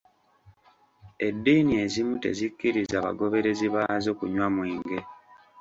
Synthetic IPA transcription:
e̞dːiːnie̞zimute̞̰zikːiɾizaːβa̰ɡo̞βe̞ɾe̞ziβazo̞ːkuɲwamwiːŋɡe̞

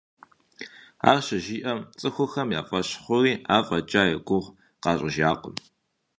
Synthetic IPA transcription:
a̰ːrɕɐʒiːʔɐmt͡sʼɨxʷʊxɐmja̰ːfʼɐɕχʷʊriːaːfʼɐt͡ʃʼaːjɛɡʷʊʁ | qɑːɕʼɪʒaːqʷʼʊ̰m

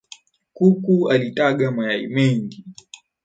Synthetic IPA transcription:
kukualitaɠamajaḭmɛŋɡi

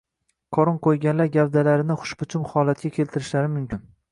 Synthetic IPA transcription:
qʰɒɾɒɴqʰojɡʲanlaɾɡʲavd̪alaɾɪnɪχʊ̥ʃbʊt͡ʃʰʊmhɒlat̪̚kʲakʲʰe̞lt̪ʰɪɾɪʃlaɾɪmʊmkʲɪn

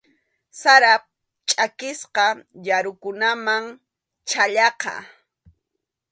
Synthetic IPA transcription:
saɾap̚ | t͡ʃʼakɪsqɑjaɾʊkʊnamaŋ | t͡ʃaʎɑqɑ̰

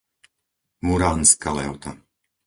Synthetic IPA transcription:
muɾaːnskalɛɔt̪a

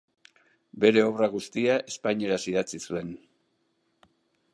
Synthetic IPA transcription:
be̞ɾe̞o̞βraɣust̪iaʔe̞spajɲe̞ɾasiðat͡sisue̞n

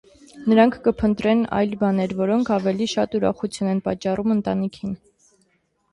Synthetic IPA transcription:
nəɾɑŋkʰkəpʰənt̪ɾɛnɑ̰jlbɑnɛɾvɔɾɔŋkʰɑvɛliʃɑt̪uɾɑ̰χut͡sʰjunɛnpɑt͡ʃːɑrumənt̪ɑnikʰin

